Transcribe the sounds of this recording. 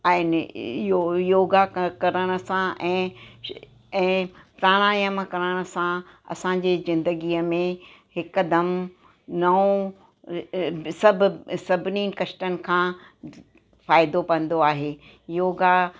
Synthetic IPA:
aːɪnɪɪjojoːɡakɐɾəɽ̃ʊ̆sãʔɛ̃ː | ɛ̃ːpɾaːɽ̃aːjəmkɐɾəɽ̃ʊ̆sã | ɐ̰sãd͡ʑeːzɪ̃nd̪əɡiːəmẽ | hɪkd̪ɐm | nɐõ | sɐb̆ʱsɐbʱɪniːn̆kɐʃʈənɪ̆kʰãː | faːɪd̪opɐ̃n̆d̪oaːɦeː | joːɡa

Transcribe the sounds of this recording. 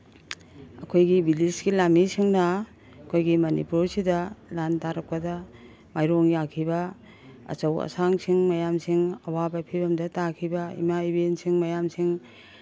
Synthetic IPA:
ɐ̰kʰojɡibilisɡilamisiŋnɐ | ɐkʰojɡimɐnḭpuɾsidɐlantaɾɐk̚pɐdɐ | majɾoŋjakʰibɐ | ɐ̰t͡ʃɐwɐ̰saŋsiŋmɐjamsiŋɐwabɐpʰibɐmdɐtakʰibɐḭmaibensiŋmɐjamsiŋ

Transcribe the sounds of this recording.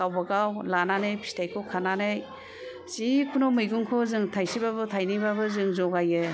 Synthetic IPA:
awbaɡawlananɯjpʰi̥stʰajkʰɔkʰananɯj | sikʰunɔmɯjɡuŋkʰɔzɯŋtʰajsibabɯtʰajnibabɯzɯŋzɔɡajɯ

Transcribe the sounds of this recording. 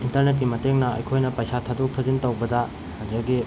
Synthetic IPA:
intɐɾnet̬̚kimɐteŋnɐɐ̰jkʰojnɐpɐjsatʰadok̚tʰɐzintɐwbɐdɐ | hɐɐɡi

